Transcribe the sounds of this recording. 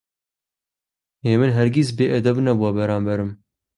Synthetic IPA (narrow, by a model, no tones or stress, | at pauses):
eːmɨnɦɛɾɡʲis̬beːʔɛd̪ɛbnɛbuwabɛɾaːmbɛɾɨm